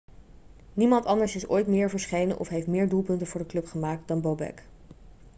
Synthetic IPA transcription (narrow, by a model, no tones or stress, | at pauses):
nimɑntɑndəɹsɪso̰jtmɪːɹvəɹsχejnə̰nʔɔ̰fɦejftmɪːɹdulˠpɵntənv̥ʊːɹdəklɵpχəmaːk̚t̚dɑnbowbɛ̰k